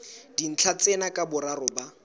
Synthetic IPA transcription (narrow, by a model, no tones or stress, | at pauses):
d̥in̩t͡ɬʰat͡sʼenakʼabʊɾarʊba